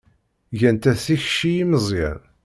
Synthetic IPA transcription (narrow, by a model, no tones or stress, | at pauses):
ʝænt̪æθiçʃijiməzˤjæ̰n